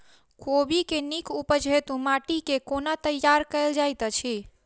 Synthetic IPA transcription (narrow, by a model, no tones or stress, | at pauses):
kobikenikupəd͡ʒʱet̪ũmaʈikekonat̪əjːaɾkəɪld͡ʒajt̪ət͡ʃʰi